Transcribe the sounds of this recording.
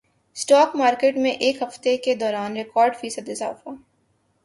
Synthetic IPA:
sʈaːkmaːɾkeːʈmẽʔeːkɦɐft̪eked̪ɔːɾaːnɾɪkɔːɾɖfiːsəd̪ɪza̰ːfa

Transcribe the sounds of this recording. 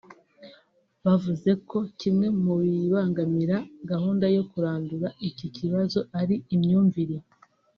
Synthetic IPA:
βavuze̞ko̞cimŋe̞muβiβaːŋɡamiɾaɡahuːndajo̞kuɾaːnduɾaʔicicʰiβazo̞ʔaɾiːmɲuːɱviɾe

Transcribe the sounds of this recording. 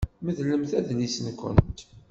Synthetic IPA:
məðləmθæðnisənkʷə̰nt̪

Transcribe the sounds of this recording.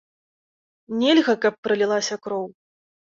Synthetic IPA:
nʲelʲɣɐkɐpːɾɨlʲilˠasʲɐkɾɔw

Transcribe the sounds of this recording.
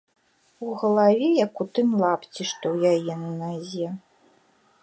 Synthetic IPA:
uɣɐlˠavʲɛjɐkut̪ɨmlˠapt͡sʲiʂt̪ɔwjajɛnɐnazʲɛ

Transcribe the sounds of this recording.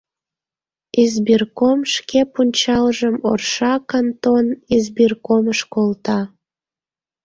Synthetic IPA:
izbirkomʃkepunʲt͡ɕɑlʒəmo̰rʃɑkənt̪onizbirkoməʃkolt̪ɑ

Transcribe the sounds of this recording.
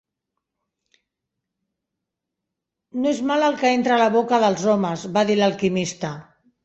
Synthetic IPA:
noezmaləlˠkəent̪ɾələβ̞okəðəlˠzoməzβaðiləlˠkimist̪ə

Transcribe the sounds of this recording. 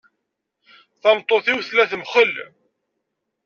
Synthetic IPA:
θɑmt̪ˤːoθiwθlæθəmχəl

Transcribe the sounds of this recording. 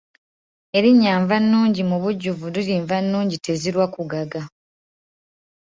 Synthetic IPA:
e̞ɾiɲːaːɱvanːuːɲɟimuβuɟːuvuliliːɱvanːuːɲɟite̞ziɾwakuɡaɡa

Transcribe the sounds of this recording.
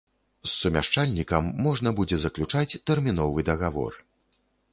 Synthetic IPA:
sːumʲa̰ʂt͡ʂalʲnʲikɐmːɔʐnɐbud͡zʲɛzɐklʲut͡ʂat͡sʲt̪ɛrmʲinɔvɨd̪ɐɣavɔ̰r

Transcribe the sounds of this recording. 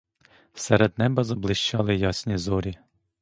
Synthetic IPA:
sɛɾɛd̪nɛbɐzɐblˠɪʃt͡ʃɑlˠɪjɑsʲnʲizɔɾʲi

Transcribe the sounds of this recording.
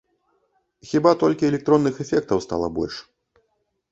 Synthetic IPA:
xʲibat̪ɔlʲkʲiɛlʲɛk̚t̪ɾɔnːɨxɛfʲɛk̚t̪ɐwst̪a̰lˠɐbɔ̰lʲʂ

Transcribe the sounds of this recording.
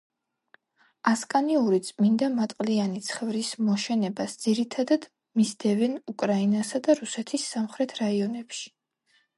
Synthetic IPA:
askʼaniuɾit̪sʼmind̪amat̪ʼqʼlianit̪sʰχɛvɾismɔʃɛnɛbasd̪ziɾit̪ʰad̪ad̪̥ | misd̪ɛvɛnukʼɾainasad̪aɾusɛt̪ʰisːamχɾɛt̪ʰɾaiɔnɛpʃi̥

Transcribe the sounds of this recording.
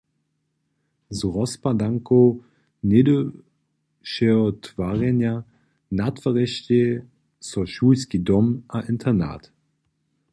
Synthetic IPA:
zʁɔspadaŋko | nedə | ʃɛɔtʰv̥aːʁɛnja | natfaʁɛʃte | sɔʃuːlskidɔmʔaʔɪntʰɐna̰ːt

